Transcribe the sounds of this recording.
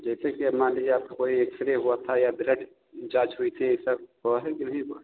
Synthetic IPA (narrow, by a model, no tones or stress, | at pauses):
d͡ʒɛːsekiɐmãːlid͡ʒaːpkoːieksɾeɦʊat̪ʰajabɪɾəɖ | d͡ʒaːt͡ʃɦʊit̪ʰieːsaɦʊaɦɛkinɐɦĩko